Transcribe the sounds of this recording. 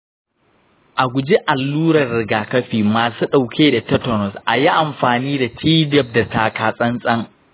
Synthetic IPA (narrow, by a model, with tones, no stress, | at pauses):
ʔa˨ɡʷʊ˨d͡ʒi˦ʔa˨lːuː˦ɾɐ˨rːɪ˨ɡaː˨kɐ˦ɸiː˨maː˨suː˦ɗa˨wkʲeː˦da˨tɐ˦tɔ˨nɔ˨sʔa˨ji˦ʔa˨mɸaː˨niː˦da˨tʰiː˦dɛ˦˨p̚da˨taː˨kaː˨sʼɐ˦nsʼɐ˦ŋ